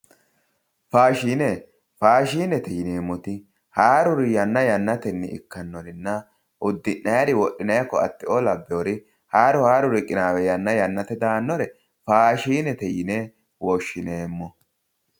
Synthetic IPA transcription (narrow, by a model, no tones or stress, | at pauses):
faːʃiːne | faːʃiːnːɛt̪ɛjɪneːmːɔt̪ɪ | haːɾʊɾɪjɐnːɐjɐnːɐt̪ɛnːɛ̰ʔɪ̰kːɐnːɔɾɪnːɐ | ʊd̪ːɪʔːɐjɐd̪ɪwɔɗːɪnɐjɐkːɔɐ̰t̪ːɪʔɔlɐbːɪɔɾɪ | haːɾʊhaːɾʊɾɪkʼɪnaːwɛjɐnːɐjɐnːɐt̪ɛd̪aːnːɔɾɛ | faːʃiːnɛt̪ɛjɪne | wɔʃːɪneːmːɔ